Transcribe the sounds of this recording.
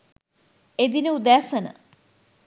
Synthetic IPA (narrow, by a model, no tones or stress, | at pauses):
ed̪inəud̪æːsənə̰